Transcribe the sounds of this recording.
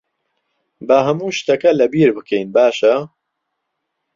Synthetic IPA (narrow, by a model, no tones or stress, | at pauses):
bɐɦɐmuːʃt̪ɐkɐlɐbiːɾbɨkʰɛjnbaːʃɐ